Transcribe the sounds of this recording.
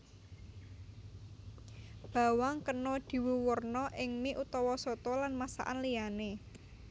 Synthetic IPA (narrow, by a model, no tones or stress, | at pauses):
b̥ä̤waŋkənɔd̪̥i̤wuwərnɔʔɪŋmiʔut̪ɔwɔsɔt̪ɔlanmasa̰ʔa̰nliane